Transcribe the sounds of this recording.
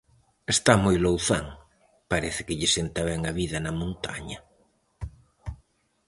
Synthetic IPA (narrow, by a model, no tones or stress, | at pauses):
est̪amojlowθaŋ | paɾɛθɪ̥kɪʎɪsent̪ɐβɛŋɐβiðɐnɐmõnt̪a̰ɲɐ